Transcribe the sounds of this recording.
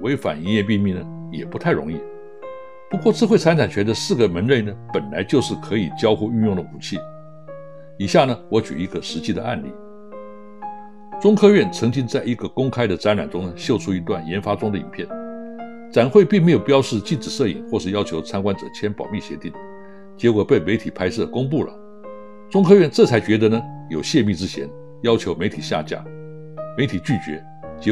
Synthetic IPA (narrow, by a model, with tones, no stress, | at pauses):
we˧˥ɪfa̰˨˩ni˧˥njɛ˥˧p̬i˥˧mi˥˩nə˩jɛ̰˨˩pu˧˥t̪ʰa˥˩ɪɻʊ̰˧˥ŋi˥˩ | pu˧˥kwɔ˥˧t͡sɹ̩˥˧xwe˥˩ɪt͡sʰa˥nt͡sʰa˨˩nt͡ɕʰɥɛ˧˥nd̪ə˧sɹ̩˥˩ɡə˩mə˧˥nɻe˥˩ɪnə˩pə˨˩nla˧˥ɪt͡ɕjo˥˧ʊʂɻ̩˥˩kʰɤ˧˥i˨˩t͡ɕjɑ˥ʊxu˥˧y˥˧njʊ˥˩ŋd̪ə˩u˨˩t͡ɕʰi˥˩ | i˨˩ɕja˥˩nə˩wɔ˧˥t͡ɕy̰˨˩i˧˥ɡə˧ʂɻ̩˧˥t͡ɕi˥˩d̪ə̰˩˧a̰˥˧nlḭ˥˩ | t͡sʊ˥ŋkʰɤ˥ɥɛ˥˩nt͡sʰɤ˧˥ŋt͡ɕi˥ŋt͡sa˥˩ɪi˧˥ɡə˧kʊ˥ŋkʰa˥ɪd̪ə˨t͡sa˧˥nɻa˨˩nʈ͡ʂʊ˥ŋnə˩ɕjo˥˩ʊʈ͡ʂʰu˥i˧˥t̪wa˥˩njɛ˧˥nfa˥ʈ͡ʂʊ˥ŋd̪ə˨ḭ˨˩npʰjɛ˥˩n | t͡sa˨˩nxwe˥˧ɪpi˥˩ŋme˧˥ɪjo˨˩ʊpjɑ˥ʊʂɻ̩˥˧t͡ɕi˥˩ʈ͡ʂɻ̩˨˩ʂɤ˥˩ḭ˨˩ŋxwɔ˥˧ʂɻ̩˥˩jɑ˥ʊt͡ɕʰjo˧˥ʊt͡sʰa˥nkwa˥nʈ͡ʂɤ̰˨˩t͡ɕʰjɛ˥npɑ˨˩ʊmi˥˩ɕjɛ̰˧˥t̪i˥˩ŋ | t͡ɕɛ˧˥kwɔ˨˩pe˥˩ɪme˧˥ɪt̪ʰi˨˩pʰa˥ɪʂɤ˥˩kʊ˥ŋp̬u˥˩lə̰˩ | t͡sʊ˥ŋkʰɤ˥ɥɛ˥˧nʈ͡ʂɤ˥˩t͡sʰa˥ɪt͡ɕɥɛ˧˥d̪ə˧˦nə˧jo˨˩ʊɕjɛ˥˧mi˥˧ʈ͡ʂɻ̩˥t͡ɕʰjɛ˧˥n | jɑ˥ʊt͡ɕʰjo˧˥ʊme˧˥ɪt̪ʰi˨˩ɕja̰˥˧t͡ɕja̰˥˩ | me˧˥ɪt̪ʰi˨˩t͡ɕy˥˩t͡ɕɥɛ̰˧˥ | t͡ɕɛ˧˥